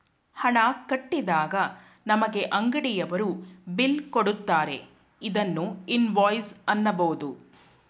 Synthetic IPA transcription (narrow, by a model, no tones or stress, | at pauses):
hɐɭaːkɐʈːid̪aːɡɐ | nɐmɐɡe̞ʔɐŋɡɐɽijɐʋɐɾubilkoɽut̪ːaːɾe̞̰ | id̪ɐnːuinʋɔːjsɐnːɐbɐʋud̪u